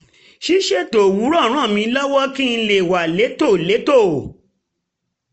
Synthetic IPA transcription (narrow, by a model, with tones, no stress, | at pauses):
ʃi˦ʃe˦to˨wu˨˦ɾɔ˦˨˦ɾ̃ã˦˨mĩ˧˦lɔ˦wɔ˦ki˦n̩˧le˨wa˨le˨˦to˦˨le˨˦to˦˨